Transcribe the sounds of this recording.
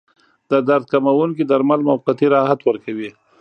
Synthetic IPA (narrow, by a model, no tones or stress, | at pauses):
d̪əd̪aɾd̪̚kamawuŋkid̪aɾmalmawqat̪iɾɑɦat̪wəɾkawi